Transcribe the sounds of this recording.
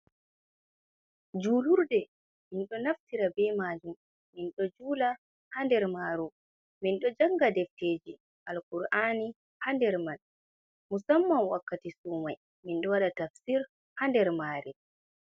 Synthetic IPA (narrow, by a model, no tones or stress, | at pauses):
d͡ʒuːluɾdɛ | minɗɔnaftiɾabɛmaːd͡ʒumː | inɗɔd͡ʒuːla | handɛɾmaːɾu | minɗɔd͡ʒaŋɡadɛfteːd͡ʒi | ʔalkuɾʔaːni | handɛɾman | musamːawakːatisumaj | minɗɔwaɗatafsiɾ | handɛɾmaːɾi